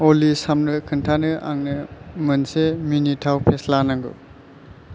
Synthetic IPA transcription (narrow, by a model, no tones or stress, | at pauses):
olisamnɯkʰɯntʰanɯʔa̰ŋnɯmɯnseminitʰawpʰeslanaŋɡɯ̰